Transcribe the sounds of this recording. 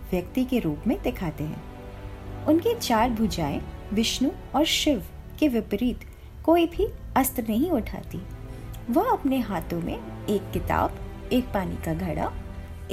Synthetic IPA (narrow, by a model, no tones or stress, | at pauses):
ʋjɐkt̪ikeɾuːpmẽd̪ɪkʰaːt̪eɦɛ̰̃ː | ʊnket͡ʃaːɾbʱʊd͡ʒaːḛ̃ʋɪʃnu | ɔːɾʃɪʋ | keʋɪpɾiːt̪ | koːibʱiɐst̪ɾənɐɦĩʊʈʰa̰ːt̪iʋɐɦɐpneɦaːt̪õmḛ̃eːkːɪt̪a̰ːbeːk̚paːnḭkaɡʱɐɽa̰